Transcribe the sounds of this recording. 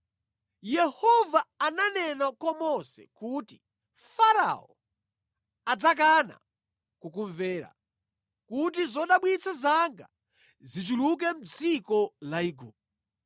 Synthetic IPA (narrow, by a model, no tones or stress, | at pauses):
jɛhɔvaːnanɛnakɔmɔsɛ̰kuːti | faɾa̰ɔ | ad͡zak̬ana̰ | kukuɱvɛːɾa̰ | kut̬izɔɗaɓwit͡sʰazaŋɡa̰ | zit͡ʃuluk̬ɛm̩d͡zikɔlaiɡup̚